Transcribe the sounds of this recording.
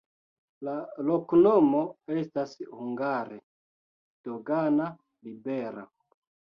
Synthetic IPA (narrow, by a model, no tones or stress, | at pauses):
laloknomo̞e̞stashuŋɡaɾe | d̥oɡana | libe̞ɾa̰